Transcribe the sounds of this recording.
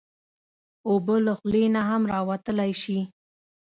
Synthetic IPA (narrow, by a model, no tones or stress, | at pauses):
obələxlenaɦamɾɑwat̪əlajʃi